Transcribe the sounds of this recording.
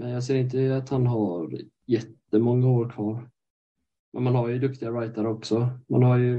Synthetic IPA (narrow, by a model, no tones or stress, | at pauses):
mɛnjɑːɡseːɾɪnt̪̬əat̪hanɦaɾ | jɛt̪ːəmɔŋːaoːɾkʰvɑːɾ | mʔɛ̰nmanhaɾjɵd̪ɵkt̪ɪɡaɾajt̪aɾəɔksɔma̰nhaɾjɵ